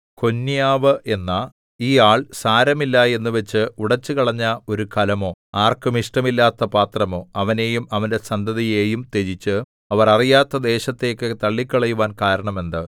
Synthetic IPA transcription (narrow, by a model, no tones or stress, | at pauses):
ko̞nːijaːʋɨʔe̞nːɐ | iːaːɭsaːɾɐmilːɐe̞nːuʋet͡ɕːɨuɽɐt͡ɕːɨkɐɭɐɲːɐo̞ɾukʰɐlɐmo̞ːaːrkɨmiʂʈɐmilːaːt̪ːɐpaːt̪rɐmo̞ːɐʋɐne̞ːjumɐʋɐnde̞sɐnd̪ɐðijeːjumt̪e̞d͡ʑit͡ɕːɨ | ɐʋɐrɐrijaːt̪ːɐd̪e̞ːɕɐt̪ːe̞ːkːɨt̪ɐɭːikʲːɐɭɐjuʋaːnkaːɾɐɳɐme̞nd̪ɨ